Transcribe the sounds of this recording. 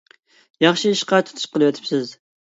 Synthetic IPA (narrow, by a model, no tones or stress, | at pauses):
jɑχʃiiʃqɑt̪ʰu̥t̪ʰu̥ʃqəlˠɨwɛt̪ʰɪ̥psɪz